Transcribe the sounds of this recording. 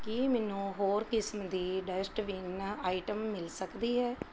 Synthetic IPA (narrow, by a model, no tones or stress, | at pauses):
kimɛːnũːɦoːɾkɪsmd̪iːɖɛsʈʋiːnːaːiʈəmːɪlsəkd̪iːɦɛː